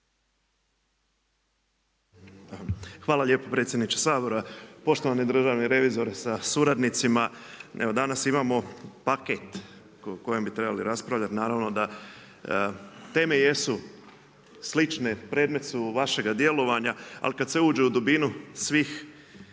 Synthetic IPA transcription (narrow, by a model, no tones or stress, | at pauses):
xʋaːlˠaʎe̞ːpopɾe̞ːt̪sjed̪nit͡ʃe̥saːboɾoapo̞ʃt̪o̞ʋanid̪ɾ̩ʒaʋniɾe̞ʋizo̞ɾsasuɾad̪nit̪simaeʋod̪anasimaːmo̞paket̪ | ko̞jembit̪ɾe̞baliɾaspɾaʋʎat̪naːɾaʋno̞d̪a | t̪e̞ːme̞je̞su | slit͡ʃnepɾe̞ːd̪me̞t̪suʋaʃe̞ɡad̪je̞lo̞ʋaɲaa̰likad̪seuːd͡ʒeud̪ubinusʋiːx